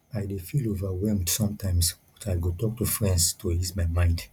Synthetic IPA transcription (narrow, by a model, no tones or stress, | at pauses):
ajdefilovawɛmdsɔ̃mtãɪ̃msbɔtajɡotɔk̚tufɹɛ̃ndstoismaɪmãɪ̃nd